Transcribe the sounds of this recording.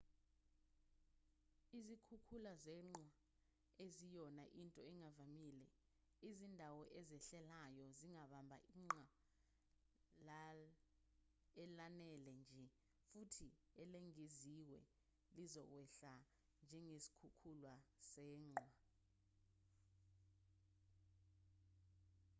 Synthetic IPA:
izikʰukʰulazɛːŋ͡ǃwa | ezijɔnaʔintʼɔɛŋavamilɛ | izindʱawɔʔɛzɛɬɛlajɔziŋaɓambʱa̰ʔiːŋ͡ǁa | l | ɛlanɛlɛnd͡ʒʱɛ | futʰi | ɛleŋiziwɛ̰ | lizɔk̬wɛɬa | nd͡ʒʱɛŋesi̥kʰukʰulwasɛːŋ͡ǃwa

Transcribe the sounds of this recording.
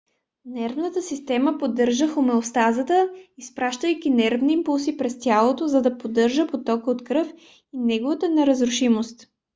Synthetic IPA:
nɛɾvnət̪əsist̪ɛməpod̪ɤɾʒəxomɛlost̪azət̪əispɾaʃt̪əjkʲinɛɾvniːmpulˠsipɾɛst̪ʲjalˠot̪ozɐd̪ɐpod̪ɤɾʒəpot̪ɔkəot̪kɾɤf | inɛɡovət̪ənɛɾəzɾʊʃimost̪

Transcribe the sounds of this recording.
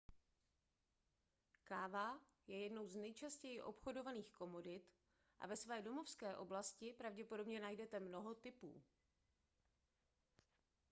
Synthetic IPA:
kaːva | jɛjɛdno̞wznɛjt͡ʃascɛjɪʔo̞pxo̞do̞vaniːxko̞mo̞dɪt̪ | ʔa̰vɛsvɛːdo̞mo̞fskɛːʔo̞blascɪpɾavɟɛpo̞do̞bɲɛnajdɛt̪ɛmno̞ɦo̞t̪ɪpṵː

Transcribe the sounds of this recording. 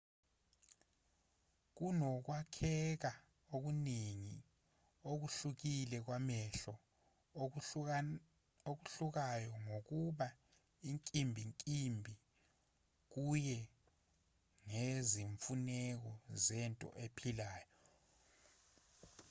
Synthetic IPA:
k̬unɔk̬wakʰɛk̬a | ok̬uniŋi | ok̬uɬuk̬ilɛk̬wamɛɬɔ | ok̬uɬuk̬ajɔŋok̬uɓa | iŋkʼimbʱiŋkʼimbʱi | k̬ujɛ | ŋeziɱfunɛk̬ɔzɛntʼɔ̰ʔepʰilaːjɔ

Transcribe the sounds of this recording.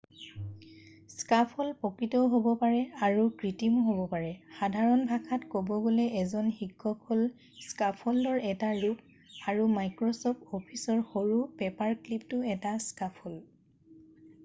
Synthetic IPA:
skapʰɔlpɔkɹitɔɦobɔpaɹɛaɹukɹitimɔɦobɔpaɹɛxadʱaɹɔnbʱakʰatkobɔɡolɛʔɛzɔnxiɡʰʱɔpʰɔl | skapʰɔldɔɹɛtaɹup | aɹumajkɹɔsɔpopʰisɔɹxoɹupɛpaɹkliptʊɛtaskapʰɔl

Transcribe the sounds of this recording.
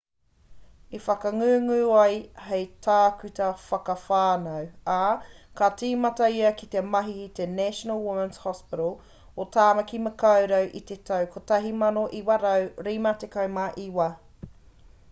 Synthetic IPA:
ifɐkɐŋʉːŋʉːɐjhejtʰaːkʉtɐfɐkɐfaːnɐwaːkat͡siːmɐtɐiɐkit̪emɐɦiːt̪enæʃonɐlˠwumənshɔspɪɾəlˠ | otaːmɐkimɐkɐwɾɐwʔit̪etʰɐwkʰotɐɦimɐnoʔiwɐɾɐwɾimɐtekɐwmaʔiwɐ

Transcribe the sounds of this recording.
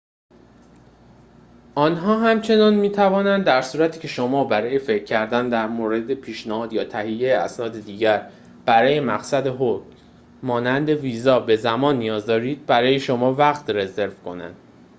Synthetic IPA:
ʔɒːnɦɒːɦæmt͡ʃʰe̞nɒːnmiːt̪ʰævɒːnænd̪d̪æɾsuːɾæt̪ʰiːcʰe̞ʃomɒːbæɾɒːje̞fe̞cʰːæɾd̪ænd̪æɾmoːɾe̞d̪epʰiːʃnæhɒːd̪jɒːt̪ʰæhijːejeæ̰snɒːd̪e̞d̪iːɟæɾ | b̥æɾɒːje̞mæɣsæd̪e̞ɦoc | mɒːnænd̪e̞viːzɒːbe̞zæmɒːnːijɒːzd̪ɒːɾiːd̪̥̚bæɾɒːje̞ʃo̞mɒːvæɣt̪re̞ze̞ɾvkʰo̞̰næ̰nd̪̥

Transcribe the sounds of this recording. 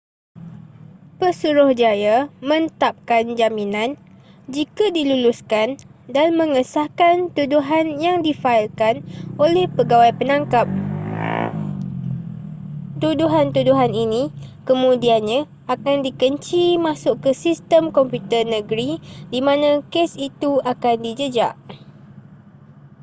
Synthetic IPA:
pəsuɾʊhd͡ʒajamə̃nt̪ap̚kand͡ʒaminãn | d͡ʒikadiluluskandanmə̃ŋəsahkant̪uduɦanjaŋdifailkanolɛhpəɡawajpənãŋkap̚ | t̪uduɦant̪uduɦaninĩkəmũdianɲã | akandikəɲt͡ʃimãsʊʔkəsist̪əmkɔmpjut̪ərnə̃ɡɾidimãnãkesit̪uakandid͡ʒəd͡ʒaʔ

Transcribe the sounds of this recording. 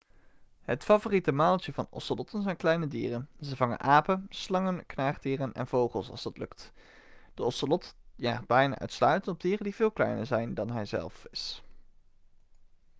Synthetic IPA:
ɦətfavoritəmaːlˠtəvɑ̰nɔ̰səlɔtənzɛjnklɛjnədiːrənzəvɑŋə̰nʔaːpənslɑŋənknaːχdiːrənɛ̰nv̥owχəlˠsɑ̰lˠzdɑtlɵkt | d̥əɔsəlɔtjaːχd̚bɛjna̰ːʔœ̰ɥtslœɥtənɔb̚diːrəndivɪːlˠklɛ̰jnəɹzɛjndɑnɦɛjzɛ̰lˠfɪs

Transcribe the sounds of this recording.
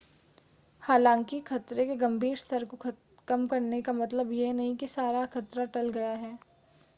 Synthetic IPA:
haːlãːŋkikʰɐt̪ɾekeɡɐmbʱiːɾst̪ʰəɾko | kɐmkɐɾnekamɐt̪ləbjenɐɦĩkisaːɾakʰɐt̪ɾaʈɐlɡɐjaɦɛː

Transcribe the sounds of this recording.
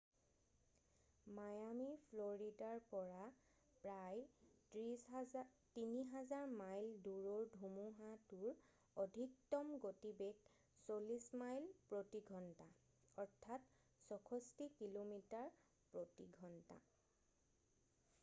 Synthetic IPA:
majamipʰloɹidaɹpɔɹa | pɹaj | tiniɦazaɹmajlduɹoɹdʱumuɦatuɹ | ɔdʱik̚tɔmɡotibek | solismajlpɹotiɡʱɔnta | ɔɹtʰat | sɔkʰɔstikilomitaɹ | pɹotiɡʱɔnta̰

